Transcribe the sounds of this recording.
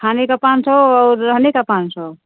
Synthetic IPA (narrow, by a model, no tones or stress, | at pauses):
kʰanekapansəɔːɾːəɦnekapansɔ